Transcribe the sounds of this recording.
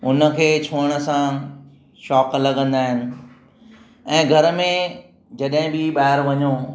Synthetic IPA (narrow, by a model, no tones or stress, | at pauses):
ʊnə̆kʰeːt͡ɕʰoːəɽ̃ə̆sã | ʃɔːklɐɠə̃nd̪aːɦɪnɪ̆ | ɛ̃ːɡʱɐɾmẽ | d͡ʑɐɗɦɪ̃bɪɓaːɪɾʋɐɲoː